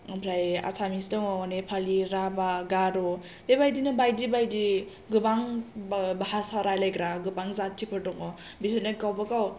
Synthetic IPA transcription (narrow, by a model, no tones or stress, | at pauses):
pʰɾaja̰samisdɔŋɔɔnepʰaliɾabaɡaɾɔ | bebajdinɯbajdibajdi | ɡɯbaŋ | bahasaɾajlajɡɾaɡɯbaŋzattʰːipʰɯɾdɔŋɔ | bisɯneɡawbakaw